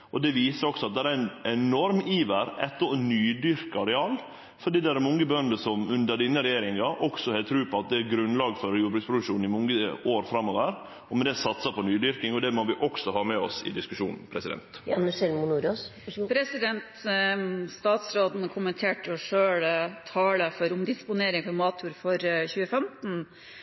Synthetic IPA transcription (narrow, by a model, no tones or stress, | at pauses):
ɔd̪ɛʋiːsəɾɔksɔɑt̪̚d̪ɛɾæɾɛnɛnɔɾmiːʋəɾɛt̪ːəɔnyːd̪ʏɾkɑɾɛɑːlː | fɔɖiːd̪ɛææɾmɔŋːəbœnd̪əsɔmʉnd̪əɾɖ̪ɪnːəɾɛjeːɾɪŋɑʔɔksɔhɛːt̪ʰɾʉːpʰɔɑt̪̚d̪ɛæɾɡɾʉnlɑːɡfɔɾjuːbɾʉkspʰɾʊd̪ʉkʂuːnɪmɔŋːəoːɾfɾɑmːoːʋəɾ | ɔmɛd̪ɛsɑt̪sɑpʰɔnyːd̪ʏɾkɪŋɔd̪ɛmɔʋɪʔɔksɔɦɑːmɛɔ̰sɪ̰d̪ɪskʉʂuːnn̩pʰɾɛsɪd̪ɛ̰nt̪nsɛlmʊnuɾospʰɾɛsɪd̪ɛnt̪ | st̪ɑːt̪sɾoːd̪n̩əkʰʊmənt̪ʰeːʈɔʂøːɽt̪ʰɑːləfɔɾʊmd̪ɪspʊneːɾɪŋfɔɾmɑːt̪ʰuːɾfɔɾçʉːəfɛmt̪n̩